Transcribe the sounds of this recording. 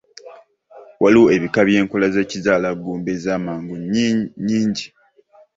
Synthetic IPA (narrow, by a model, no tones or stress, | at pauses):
wʔalue̞βikaβje̞ːŋkolazecizaːlaɡːuːmbezaːmaːŋɡuɲɲiːɲɟi